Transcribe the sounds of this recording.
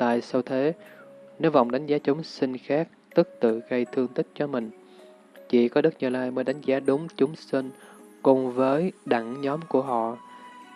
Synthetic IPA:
t̪a̰ː˧˨jsə˧wt̪ʰe˨˦ne˨˦wva̰˧˨wŋ͡mɗa˨˦jŋ̟zaː˨˦t͡ɕʊ˨˦ŋ͡msï˧ŋxaː˦˥k̚t̪ɨ˦˥k̚t̪ɨ̰˧˨ɣə˧jt̪ʰɨ˧əŋt̪ï˦˥k̚t͡ɕɔ˧mï˨˩ŋ̟ | t͡ɕḭ˧˩kɔ˨˦ɗɨ˦˥k̚ɲɨ˨˧˩laː˧jməː˨˦jɗa˨˦jŋ̟zaː˨˦ɗʊ˨˦ŋ͡mt͡ɕʊ˨˦ŋ͡msi˧ŋkʊ˨˩ŋ͡mvəː˨˦jɗa˧˩ŋɲɔ˨˦mku˧˩əɦɔ̰˧˨

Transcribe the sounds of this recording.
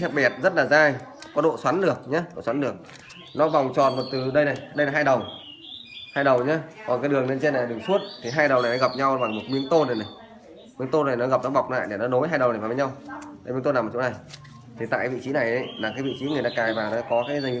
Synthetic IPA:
sɛ˦˥p̚ɓi˨˩ət̚zə˦˥t̚laː˨˩zaː˧jkɔ˨˦ɗo̰˧˨swa˨˦nɗɨ˨˩ək̚ɲa˨˦ɗo̰˧˨swa˨˦nɗɨ˨˩ək̚ | nɔ˨˦va˨˩wŋ͡mt͡ɕɔ̰˧˨nm˨˩t̚t̪ɨ˨˩ɗə˧jna˨˩jɗə˧jla˨˦ɦaː˧jɗə˨˩w | haː˧jɗə˨˩wɲaː˨˦kɔ˨˩nkaː˨˦jɗɨ˨˩əŋne˧nt͡ɕe˧na˨˩˨ɗɨ˨˩əŋsu˦˥ət̚t̪ʰi˨˩ɦaː˧jɗə˨˩wna˨˩jnɔ˨˦ɣa˨˩p̚ɲa˧wɓa˨˩ŋmo˨˩t̚mi˨˦əŋt̪o˧nɗe˨˩na˨˩j | mi˨˦əŋt̪o˧na˨˩jnɔ˨˦ɣa˨˩p̚nɔ˨˦ɓa˨˩wk͡p̚na̰ː˧˨jɗe˨˩nɔ˨˦no˨˦jɦaː˧jɗə˨˩wna˨˩a˨˩və˨˦ɲa˧wjmi˨˦t̪o˧naː˨˩mː˨˩t͡ɕṵ˧˦na˨˩j | t̪ʰi˨t̪a̰ː˧˨ka˨˦vḭ˧˨t͡ɕi˨˦na˨˩jʔə˨˦laː˨˩kaː˨˦jvḭ˧˨t͡ɕi˨˦ŋɨ˨˩əjɗaː˧kaː˨˩jvaː˨˩ɗaː˧˦kɔ˨˦kaː˨˦jzaː˧˩i˨˦

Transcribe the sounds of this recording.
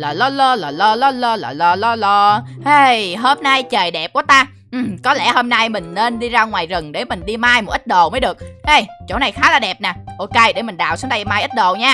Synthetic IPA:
laː˨˩lɔ˧lo˧ləː˨˩lɔ˧lɔ˧lo˧laː˨˩lɔ˧lɔ˧lɔ˧ʔe˧jɦo˦˧mna˧jt͡ɕəː˨˩jɗɛ˨˩p̚ku˧˩ət̪aː˧ | ʔ̩˨˩kɔ˨˦lɛ̰˧˩ho˧mna˧jmï˨˩ŋ̟ne˧nɗi˧zaː˧ŋwaː˨˩jzə˨˩ŋɗe˧˩mï˨˩ŋ̟ɗi˧maː˧jmo˨˩t̚i˦˥t̚ɗo˨˩wməː˨˦jɗɨ˨˩ək̚ʔə˧˩jt͡ɕo̰˧˩na˨˩jxaː˨˦laː˨˩ɗɛ˨˩p̚naː˨˩ʔo˧ke˧jɗe˧˩mï˨˩ŋ̟ɗa̰ː˧˨wsu̥˨˦ŋt̪a˧maː˧jʔi˦˥t̚ɗo˨˩wɲaː˧

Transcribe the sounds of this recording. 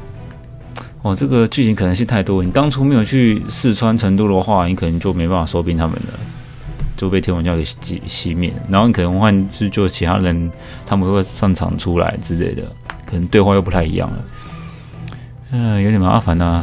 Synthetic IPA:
ɔ˥˨˩ʈ͡ʂɤ˥˩ɡə˨t͡ɕy˥˩t͡ɕʰi˧˥ŋkʰɤ˨˩nə˧ŋɕ̬i˥˧t̪ʰa˥˩ɪt̪wɔ˥˨ni˨˩t̪ɑ˥ŋt͡sʰu˥me˧˥jʊt͡ɕʰy˥˧sɹ̩˥˩t͡sʰwa˥nʈ͡ʂʰə˧˥ŋt̪̬u˥˨d̪ə˨˩xwa˥˩˨ni˨˩kʰɤ˨˩nə˧˥ŋt͡ɕjo˥ʊme˧˥ɪpa˥˩n˩fa˨˩so˥ʊpi˧˥nt̪ʰa˥mə̰˨nlə̰˩ | t͡ɕjo˥˧pe˥˩ɪjnwɑ˨˩t͡ɕɑ˥˧˥ɡə˩t͡ɕḭ˨˩ɕi˦˥mjɛ̰˥˩n˩na˨˧no˥˩ni˨˩k̪ʰə˧˦ŋ˥xwa˥˧nʈ͡ʂ̩˥t͡ɕjo˥˩ʊt͡ɕʰi˧˥t̪ʰa̰˥˨ɻə˧˥n | t̪ʰa˥pə˨˧˥we˥˧ʂɑ˥˩ŋʈ͡ʂʰɑ̰˨˩ŋʈ͡ʂʰu˥la̰˧˥ɪt͡sɹ̩˥˧lḛ˥˩ɪd̪ə̰˩ | kʰɤ˨˩nə˧˥ŋt̪we˥˧ɪxwa˥˧jo˥˩ʊpu˧˥a˥˩ɪḭ˧˥jɑ̰˥˩ŋlə̰˩ | ə˥˩jo˧˥ʊɛ˨˩ma˧˥ʔa̰˥˩fa˧˥na˧

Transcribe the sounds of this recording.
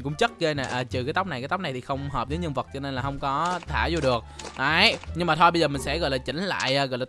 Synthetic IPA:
kʊ̰˧˥ŋ͡mt͡ɕə˦˥t̚ɣeː˧na˨˩ʔəː˨˩t͡ɕɨ˨˩kaː˨˦t̪a˦˥k͡p̚na˨˩kːt̪k͡p̚na˨˩jt̪i˨˩xə˧wŋ͡mɦɔː˨˩p̚zəː˨˦ɲə˧ŋvə˨˩t̚t͡ɕɔ˧ne˧nlaː˨˩hə˧wŋ͡mkɔ˨˦t̪ʰaː˧˩zu˧ɗɨ˨˩ək̚ʔəː˨˦jɲɨ˧ŋmaː˨˩ɔ˧jɓə˧jzəː˨˩m˨˩ŋ̟sɛ̰˧˥ɣɔ̰˧˨jlaː˨˩t͡ɕï˧˦ŋ̟la̰ː˧˨jʔəː˨˩ɣɔ̰˧˨jlaː˨

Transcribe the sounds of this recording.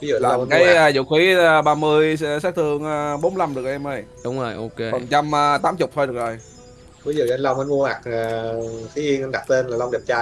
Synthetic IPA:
i˨˦zṵ˨˧lːkaː˧˨˦jəː˧zṵ˧˨xi˨˦əː˧˩ɓaː˧mɨ˧əjsaː˦˥k̚t̪ʰɨ˧˩əŋʔəː˨ɓo˨˦mla˧mɗɨ˨˩ək̚ʔɛ˧mʔəː˧jɗʊ˨˦ŋ͡mo˨˩jʔo˧ke˧ɓə˨˩ŋt͡ɕa˧mʔəː˧˩t̪aː˨˦mt͡ɕʊ˨˩k͡p̚t̪ʰjɗɨ˨˩ə˩k̚zo˨˩j | vi˨˦zṵ˧˨ə˧nla˧wŋ͡mʔə˧˦nmu˧əhaː˨˩k̚a˨˩xi˧i˧ŋʔə˧nɗa˨˩t̚t̪e˧nlaː˨˩la˧ŋ͡mɗi˨˩p̚t͡ɕaː˧˩

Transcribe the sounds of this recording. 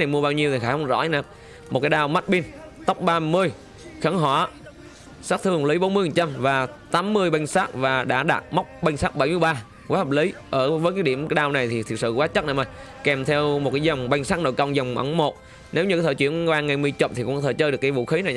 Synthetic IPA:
na˨˩jmu˧əɓaː˧wɲi˧əwt̪i˨˩xaː˧˩hə˨˦ŋ͡mzɔ̰˧˥˧na˨˧˩ | mo˨˩t̚kaː˨˦jɗaː˧wma˦˥t̚ɓi˧nt̪ə˦˥wk͡p̚ɓaː˧mɨ˧əj | xə˧˦ŋɦɔ˧˩ | saː˦˥k̚t̪ʰɨ˧˩ə˩ŋli˨˦jɓo˨˦nmɨ˧jhə˨˩t͡ɕa˧mvaː˨˩t̪aː˨˦mːɨ˧əjɓa˧jŋsaː˦˥k̚vaː˨˩ɗa̰ː˧˥ɗa̰ː˨˩t̚ma˦˥wk͡p̚ɓa˧jŋ̟saː˦˥k̚ɓa˧˩jmɨ˧əjɓaː˧ | kaː˨˦jhəː˨˩p̚li˨˦ʔəː˧˩vəː˨˦jk̬aː˨˦jɗi˧˩əmkaː˦jɗaː˧wna˨˩jt̪ʰi˨˩t̪ʰi˨˩ək̚sɨ̰˧˨kwaː˨˦˥t͡ɕə˦˥t̚na̰˨˧˩ma˨˩j | kɛ˨˩mt̪ʰɛ˧wmo˨˩t̚kaː˨˦jzɔ˨˩wŋ͡mɓa˧jŋsaː˦˥k̚no̰˧˨jkə˧wŋ͡mzɔ˨˩wŋ͡mma̰˧˩ŋmo˨˩t̚ | ne˨˦wɲɨ˧˦t̪ʰəː˧˩t͡ɕwi˧˥ənwaː˧ŋa˨˩jmɨ˧əjt͡ɕo˨˩p̚t̪ʰi˨˩kʊ̰˧˥t̪ʰəː˧˩jt͡ɕəː˧ɗkːjvṵ˧˨xi˨˦na˨˩j

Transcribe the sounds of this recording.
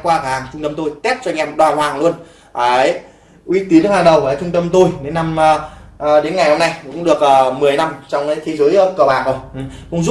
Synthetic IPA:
kwaː˧a˨˩˨aː˨˩ŋt͡ɕʊ˧ŋ͡mt̪ə˧mt̪o˧jt̪ɛ˦˥p̚t͡ɕɔ˧ɲɛ˧˩mɗwaː˨˩ɦwaː˧˨˩ŋlu˧ən | aː˨˩˨j | ʔwi˨˦t̪i˨˦ənhaː˨˩ŋɗə˨˩wvəː˨˩t͡ɕʊ˧ŋ͡mt̪ə˧mt̪o˧jɗe˨˦nːa˧mː˧ɗe˨˦nŋa˨˩jho˧mna˧jkʊ̰˧˥ŋ͡mɗɨ˨˩ək̚ʔəː˨˩mɨ˨˩əjna˧mt͡ɕɔ˧wŋ͡mkːjt̪ʰe˨˦zəː˨˦jə˧˦kə˨˩wɓaː˨˩nzo˧˩jʔkʊ̰˧˥ŋ͡mzu˦˥

